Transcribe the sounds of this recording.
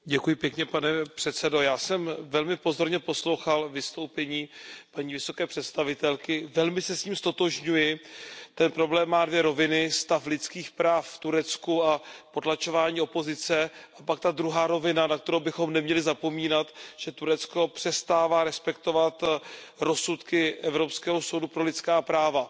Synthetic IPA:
ɟɛkujɪpjɛkɲɛpanɛpr̥ɛt̪t͡sɛdo̞jaːsɛmvɛlmɪpo̞zo̞ɾɲɛpo̞slowxalvɪst̪o̞wpɛɲiːpaɲiːvɪso̞kɛːpr̝̥ɛt̪st̪avɪt̪ɛlkɪvɛlmɪsɛsciːmst̪o̞t̪oʒɲujɪt̪ɛnpɾo̞blɛːmːaːdvjɛɾo̞vɪnɪst̪aflɪt̪t͡skiːxpɾaːfft̪uɾɛt͡skuapo̞t̪lat͡ʃo̞vaːɲiːo̞po̞zɪt͡sɛʔapak̚t̪ad̪ɾuɦaːɾo̞vɪnanak̚t̪ɛɾowbɪxo̞mnɛmɲɛlɪzapo̞miːnat̪ʒ̥ɛt̪uɾɛt̪t͡sko̞pr̝̥ɛst̪aːvaːɾɛspɛkt̪o̞vat̪ɾo̞sut̪kɪʔɛvɾo̞pskɛːɦoso̞wdupɾo̞lɪt̪t͡skaːpɾaːva

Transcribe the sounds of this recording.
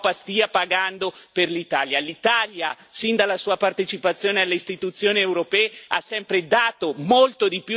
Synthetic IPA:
past̪iːapaɡand̪operlit̪aːljalit̪aljasind̪alːasuːapart̪et͡ʃipat̪sːjoːnealːeist̪it̪ut̪sːjoːniewɾopɛːea̰sːɛmpɾed̪aːt̪omolt̪od̪ipju

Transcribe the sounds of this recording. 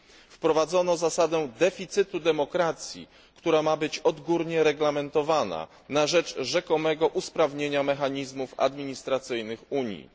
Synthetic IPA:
fpɾɔvad̪zɔnɔzasad̪ɛ̃d̪ɛfʲit̪sɘt̪ud̪ɛmɔkɾat̪sʲjḭ | kt̪uɾamabɘt͡ɕɔd̪ɡuɾɲɛɾɛɡlamɛnt̪ɔvana̰ | naʐɛd͡ʐʐɛkɔmɛɡɔʔuspɾavɲeɲamɛxaɲizmufa̰d̪mʲiɲist̪ɾat̪sɘjnɘxuɲjḭ

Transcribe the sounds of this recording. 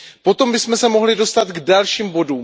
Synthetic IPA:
po̞t̪o̞mbɪsmɛsɛmo̞ɦlɪdo̞st̪at̪ɡdalʃiːmbo̞duːm

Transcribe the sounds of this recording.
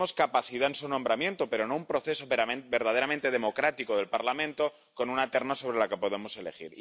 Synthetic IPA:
o̞skapaθiðaensunõ̞mbɾamje̞nt̪o̞peɾo̞no̞umpɾo̞θe̞sobe̞ɾð̞aðe̞ɾamẽnt̪e̞ð̞e̞mo̞kɾat̪ikoð̞e̞lpaɾlamẽnt̪o̞ | ko̞nunat̪e̞ɾnaso̞β̞ɾe̞lakepo̞ðe̞mo̞se̞le̞xḭɾ

